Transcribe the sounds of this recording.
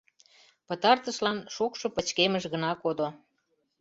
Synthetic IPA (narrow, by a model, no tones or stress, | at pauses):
pət̪ɑrt̪əʃlɑnʃokʃŏpə̆t͡ɕkeməʒɣənɑkod̪o